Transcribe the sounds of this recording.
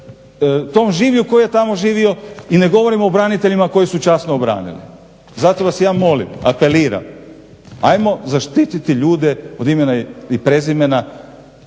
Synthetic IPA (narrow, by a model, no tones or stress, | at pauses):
t̪o̞ːmʒiːʋʎuko̞jijet̪amo̞ʒiːʋio̞ine̞ɡo̞ʋo̞ɾimo̞bɾanit̪e̞ʎimako̞jisut͡ʃasnoːbɾa̰ːnḭlḭ | zat̪oʋasjaːmo̞lḭma̰pe̞liːɾa̰m | a̰jmo̞zaʃt̪it̪it̪iʎuːd̪eod̪ime̞naipɾe̞zime̞na